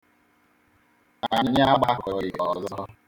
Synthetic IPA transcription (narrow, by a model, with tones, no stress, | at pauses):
aa˨ɲɪ˦ɲ˦a˦ɡ͡ba˦kɔ˨jɪ˨ɔ˨zɔ˦